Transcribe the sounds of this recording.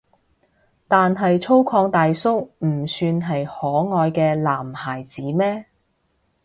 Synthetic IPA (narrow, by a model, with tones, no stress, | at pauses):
t̪aː˨nɦɐ˨jt͡sʰo˥wkʰɔː˧ŋt̪aː˨jsʊ˥k̚m̩˨˩syː˧nɦɐ˨jhɔː˨˥ŋɔː˨jkɛː˧laː˨˩mhaː˨˩jt͡siː˨˥mɛː˥